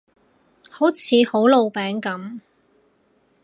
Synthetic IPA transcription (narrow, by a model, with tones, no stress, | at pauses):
ho˨˥wt͡sʰiː˨˧ho˨˥wlo˨˧wpɛː˨˥ŋkɐ˨˥m